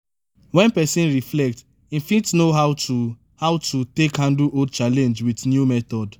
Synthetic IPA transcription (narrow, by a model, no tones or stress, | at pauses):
wɛ̃npɛsĩnɹiflɛk̚t | ĩfĩtnoɦaʊtu | hawtʰutekhãndluod̚t͡ʃalɛ̃nd͡ʒwitnjumɛt̪ɔd